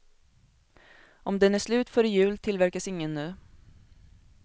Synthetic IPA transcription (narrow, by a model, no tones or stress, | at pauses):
ʔɔmd̪ɛnæʂlʉ̟ːt̪fœɾɪjʉ̟ːlt̪ʰɪlvæɾkasɪŋːənːʉ̟ː